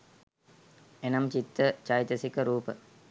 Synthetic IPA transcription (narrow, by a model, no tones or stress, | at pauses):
enɐmt͡ʃit̪ːət͡ʃajt̪əsikəɾuːpə